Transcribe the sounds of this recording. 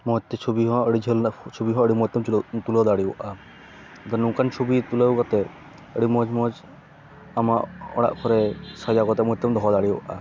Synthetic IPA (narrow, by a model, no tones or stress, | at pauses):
mɔt̪ːɛt͡ʃʰobiɦɔ̃əɽid͡ʒʱəlt͡ʃʰobiɦɔ̃əɽimɔt̪ːɔmut̪ulɔd̪aɽiɔʔa | d̪ɔnũkant͡ʃʰubit̪ulakɔt̪ɛ | əɽimɔd͡ʒmɔd͡ʒ | amaʔɔ̰ɽa̰ʔpʰɔɾɛsad͡ʒaɡɔt̪ɛmɔt̪ːɔmd̪ɔɦɔd̪aɽijɔwʔa̰